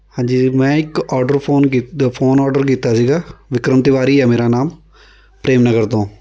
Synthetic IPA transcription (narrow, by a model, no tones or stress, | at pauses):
hãːɲd͡ʒiːmɛ̃ːɪkɔːɖəɾpʰoːnkipʰoːnɔːɖəɾk̬iːt̪aːsiːɡaːʋɪkɾəmt̪ɪʋaːɾiːɛːmeːɾaːnaːm | pɾeːmnəɡəɾt̪ãː